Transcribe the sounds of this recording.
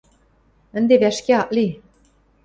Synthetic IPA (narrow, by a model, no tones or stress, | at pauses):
ɘ̆nd̪eβæʃkeɑʔli